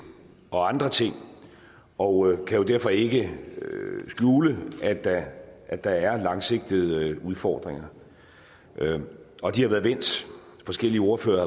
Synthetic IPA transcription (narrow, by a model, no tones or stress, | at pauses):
ɒ̽ɑ̈nd̥ʁɐt͡sʰe̝ŋ̰ | ɒ̽kʰæjo̝d̥æɐfɒ̽e̝ɡ̥əøsɡ̥juːləæ̥æʔːd̥ɑ̈æɐlɑ̈ŋse̝ɡ̥̚d̥ið̩ˠuðˠfɒ̰ːd̥ʁeŋɐ | ɒ̽d̥ihɑ̈ʋæːɐðˠʋen̰d̥ | fɒ̽sɡ̥el̰iəo̝ːɐfø̰ːɐ